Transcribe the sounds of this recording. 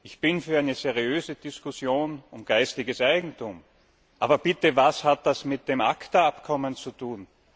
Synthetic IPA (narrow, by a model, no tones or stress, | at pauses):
ʔɪçb̥ɪnfyːɐæɪnəzeʁiøːzəd̥ɪskʊsjoːnʊmɡ̥aɪstɪɡəsʔaɪɡŋ̩tʰum | ʔaːbɐbɪtəvashat̚d̥asmɪt̚d̥eːmʔa̰ktɐapkʰɔmənt͡sutʰuːn